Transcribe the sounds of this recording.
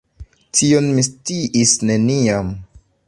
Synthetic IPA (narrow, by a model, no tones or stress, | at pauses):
tio̞nmistiʔisne̞niam